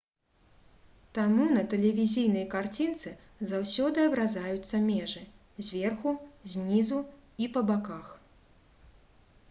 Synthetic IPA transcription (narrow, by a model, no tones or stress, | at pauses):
t̪amunɐt̪ɛlʲɛvʲizʲijn̪ɐjkart͡sʲint̪sɨ | zawsʲɔd̪ɨɐbɾazajut̪sːɐmʲɛʐɨ | zʲvʲɛrxuzʲnʲizuipɐbakax